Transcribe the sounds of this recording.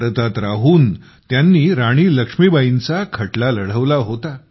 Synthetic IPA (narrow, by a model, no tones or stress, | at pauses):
ɾət̪at̪ɾaɦuːn | t̪janːiːɾaɽ̃iːləkʂmibaint͡sakʰəʈlaləɽ̤əʋlaɦot̪a